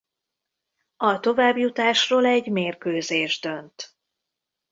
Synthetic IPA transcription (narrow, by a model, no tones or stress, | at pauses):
ɒt̪o̞vaːbjut̪aːʃroːlɛɟmeːrkøːzeːʒd̪ønt̪